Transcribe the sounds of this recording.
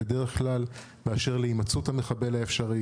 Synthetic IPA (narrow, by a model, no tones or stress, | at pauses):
ed̪eʁeχklal | meaʃe̞ʁleimat͡sut̪hameχabe̞laefʃaʁi